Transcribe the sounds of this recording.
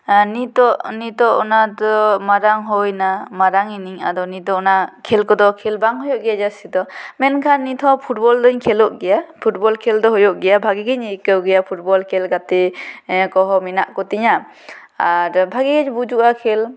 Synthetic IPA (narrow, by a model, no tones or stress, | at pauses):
nitɔʔnitɔʔɔnadɔmaɾaŋɦɔjnamaɾaŋiniŋa̰d̪ɔnitɔnakʰelkɔd̪ɔkʰelbaŋɦɔjɔʔɡɛjad͡ʒasid̪ɔmɛnkʰanːitʰɔpʰut̚bɔldɔɲkʰɛlɔʔ̚ɡɛjapʰut̚bɔlkʰɛldɔɦɔjɔʔɡɛjabʱaɡiɡeɲikəwɡɛjapʰut̚bɔlkʰelɡatekɔɦɔminaʔkɔtiɲa | aɾbʱaɡiɡeɲbud͡ʒuʔakʰel